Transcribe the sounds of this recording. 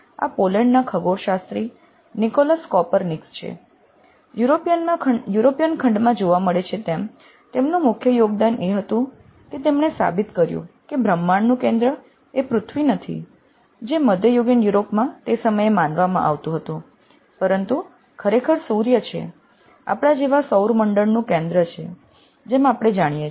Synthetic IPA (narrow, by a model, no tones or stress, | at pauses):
a̰poləɳɖnakʰəɡoɾʃast̪ɾi | nikoləskɔpəɾnikst͡ʃʰḛ | juɾopijənajuɾopijənkʰəɳɖmãd͡ʒoʋaməɭet͡ʃʰet̪em | t̪emnũmʊkʰjəjoɡ̚d̪anʔeɦət̪ũ | ket̪emɳesa̰bit̪kəɾjṵ̃kebʱɾəmːaɳnũkẽnd̪ɾə | epɾʊt̪ʰʋinət̪ʰḭ | d͡ʒeməd̪ʱjəjoɡənjuɾopmãt̪esəməjemanʋamã̰ʔaʋt̪ũɦət̪ũ | pəɾənt̪u | kʰəɾekʰəɾsuɾjət͡ʃʰḛ | a̰pɽ̃ad͡ʒeʋasəwɾməɳɖəɽnũkẽnd̪ɾət͡ʃʰe | d͡ʒemapɽ̃ed͡ʒaɽ̃ije